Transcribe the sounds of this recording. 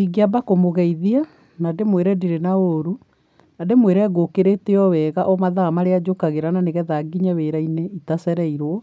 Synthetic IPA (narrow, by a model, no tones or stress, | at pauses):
iɡiabakomoɣɛiðia | nademweɾɛdiɾenaoɾu | nademweɾɛɣokeɾeteɔwɛːɣaʔɔmaðamaɾead͡ʒokaɣeɾananeɣɛðaɡiɲaweɾaineitasɛɾɛiɾwɔ